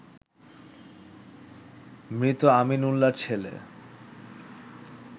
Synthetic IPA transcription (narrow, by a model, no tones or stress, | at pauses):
mɾit̪oaminulːaɾt͡ɕʰelḛ